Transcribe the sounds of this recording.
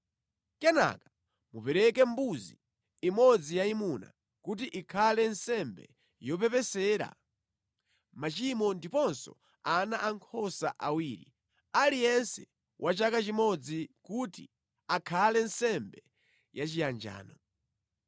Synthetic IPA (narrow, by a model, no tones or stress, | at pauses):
kɛna̰kḁ | mupɛɾɛkɛmbuzi | imɔd͡zijaimuna̰ | kut̬iʔikʰalɛnsɛmbɛ̰ | jɔp̬ɛpɛsɛːɾa̰ | mat͡ʃimɔndipɔnsɔ̰ | anaʔaŋkʰɔsaʔawiːɾi | alijɛnsɛ | wʔat͡ʃakat͡ʃimɔd͡zikutḭ | akʰalɛnsɛmbɛ | jat͡ʃijand͡ʒa̰ːnɔ